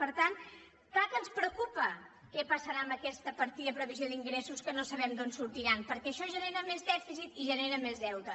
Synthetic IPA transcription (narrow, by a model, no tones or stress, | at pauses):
pəɾt̪an | kakənspɾəkupə | kɛpəsəɾaəmbəkɛst̪əpəɾt̪iðəpɾəβizjod̪iŋɡɾɛsuskənosəβɛmd̪onsuɾt̪iɾanpəɾkɛəʃɔʒəneɾəmezdɛfisit̪iʒəneɾəmezðɛwt̪ə